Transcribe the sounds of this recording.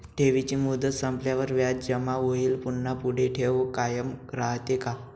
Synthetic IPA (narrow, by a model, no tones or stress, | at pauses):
ʈʰeʋit͡ɕiːmud̪ət̪sãmpljaʋəɾʋjatd͡ʑəmaʋoɦiːlpunːapuɽ̤eʈʰeʋokajəmɡɾaɦt̪eka